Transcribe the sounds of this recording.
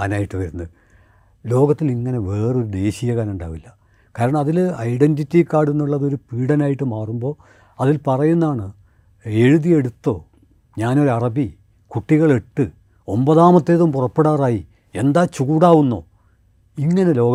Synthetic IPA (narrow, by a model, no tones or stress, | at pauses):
aːnaːjiʈːɨʋɐɾunːɐ | lo̞ːɣɐt̪ːiliŋːɐne̞ʋe̞ːrɨo̞ɾud̪e̞ːɕijɐɣaːnuɳɖa̰ːʋilːɐ | kaːɾɐɳɐmɐðilɐjɖenditːikːaːɽenːuɭːɐðo̞ɾupiːɽɐnaːjiʈːɨmaːrumbo̞ː | ɐðilpɐrɐjunːaːɳɨ | eɻuðije̞ɽut̪ːo̞ː | ɲaːno̞ɾuɐrɐbi | kuʈːiɣɐɭe̞ʈːɨ | o̞mbɐðaːmɐt̪ːe̞ːðumpurɐpːe̞ɽaːraːji | e̞nd̪aːt͡ɕuuɽaːʋunːo̞̰ː | iŋːɐne̞lo̞ː